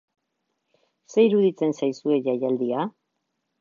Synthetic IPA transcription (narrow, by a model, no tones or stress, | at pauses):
se̞iɾuðit͡se̞nsajsue̞ʝajald̪ia